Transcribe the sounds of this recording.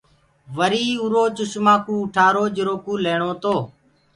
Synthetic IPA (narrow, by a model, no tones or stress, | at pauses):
ʋəɾiːuɾoːt͡ʃʊʃmãːkũːʊʈʰaːɾoːd͡ʒəɾoːkũːleːɳoːt̪oː